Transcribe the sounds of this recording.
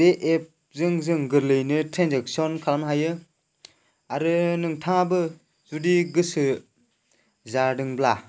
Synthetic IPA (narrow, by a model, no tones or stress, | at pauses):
deʔep̚ | zɯŋzɯŋɡɯɾlɯjnɯtɾenzek̚sɔnkʰalamɦajɯ | aɾɯnɯŋtʰaŋabɯ | zudiɡɯsɯ | zadɯŋbla